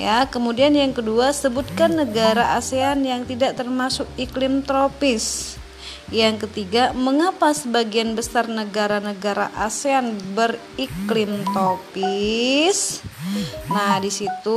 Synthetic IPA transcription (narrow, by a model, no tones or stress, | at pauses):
jakəmudianjaŋkəduasəbut̪̚kanːəɡaɾaʔaseanjaŋt̪idaʔt̪ərmasʊkiklɪmt̪ɾopɪs | jaŋkət̪iɡaməŋapasəbaɡianbəsarnəɡaɾanəɡaɾa̰ʔaseanbər | iklɪmt̪ɾopis | nadisit̪u